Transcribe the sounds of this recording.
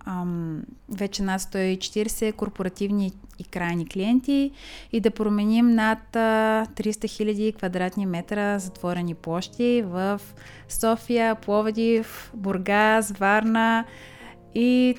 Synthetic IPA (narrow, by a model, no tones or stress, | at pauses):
vɛt͡ʃɛnat̪st̪ɔit͡ʃɛ̥t̪iɾsɛkoɾpoɾɐt̪ivniːkɾajnikliɛnt̪iid̪ɐpɾomɛnimnat̪ːɾist̪əxilʲɐd̪ikvɐd̪ɾat̪nimɛt̪ɾəzɐt̪vɔɾɛniplˠɔʃt̪ivəf | sɔfijəplˠɔvd̪ʲifboɾɡazvaɾnə | i